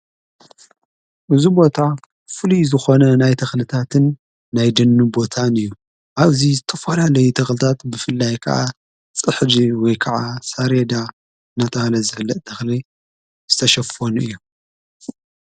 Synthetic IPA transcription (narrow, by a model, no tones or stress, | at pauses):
ʔɨzubo̞t̪ʰa | fɨluzɨxo̞nɐnajt̪ʰɐxlɨt̪ʰat̪ʰɨnː | ajd̪ɨnːubo̞t̪ʰanɨjːu | ʔaβzizɨt̪ʰɐfɐlalɐjut̪ʰɐxlɨt̪ʰat̪bɨfɨlːajkʰɐ̰ʔa̰ | t͡sʼɨħd͡ʒiwɔjkʰɐʕasaɾed̪a | nɐt̪ʼɐlɐzɨfɨlːɐt̪̚ʼt̪ʰɐxli | z̥ɨt̪ʰɐʃɐfonuɨjːu